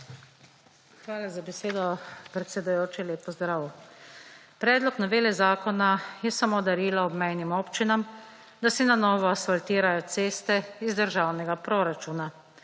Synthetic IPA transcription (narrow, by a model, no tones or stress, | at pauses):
xʋaːlazabɛseːd̪ɔpɾɛt̪sɛd̪ujoːt͡ʃileːpːɔzd̪ɾaːw | pɾɛːd̪lɔknɔʋeːlɛzaːkɔnajɛsamoːd̪aɾiːlɔɔbmɛjnimoːpt͡ʃinam | d̪asɛnanɔːʋɔasfalt̪iːɾajɔt̪seːst̪ɛizd̪əɾʒaːwnɛɡapɾoɾat͡ʃuːna